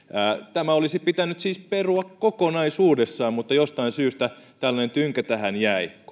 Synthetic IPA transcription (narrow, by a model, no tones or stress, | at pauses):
æːt̪æmæolisipit̪ænyt̪siːsperuɑkkokonɑisuːdesːɑːmmut̪ːɑjost̪ɑinsyːst̪æ | t̪ælːɑnent̪yŋkæt̪æhænjæi